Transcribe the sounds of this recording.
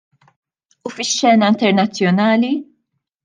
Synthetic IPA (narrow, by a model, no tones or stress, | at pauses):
ufɪʃːɛːnɐɪnt̪ɛɾnɐt͡sːjɔnɐːli